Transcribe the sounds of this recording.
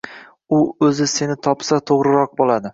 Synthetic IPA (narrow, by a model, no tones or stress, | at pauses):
ʊɵzɪse̞nɪt̪ʰɒpsat̪ʰoʁɾɪɾɒq̚bolˠad̪ɪ